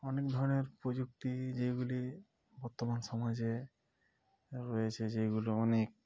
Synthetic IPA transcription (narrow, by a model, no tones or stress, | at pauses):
ɔnek̚d̪ʱɔɾoneɾpɾod͡ʑuk̚t̪id͡ʑejɡuli | bɔɾt̪omanʃɔmad͡ʑe | ɾɔjet͡ɕʰed͡ʑejɡuloɔnek̚